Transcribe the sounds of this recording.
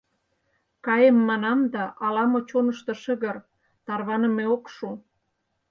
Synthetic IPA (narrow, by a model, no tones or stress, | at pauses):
kɑjemːɑnɑmd̪ɑʔɑlɑmot͡ɕonə̆ʃt̪ɤ̆ʃə̆ɣə̆r | t̪ɑrβɑnə̆meokʃu